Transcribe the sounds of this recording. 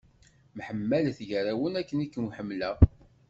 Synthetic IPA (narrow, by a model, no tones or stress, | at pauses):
mħəmːælθʝəɾæwənækːənikːənwħəmːlæ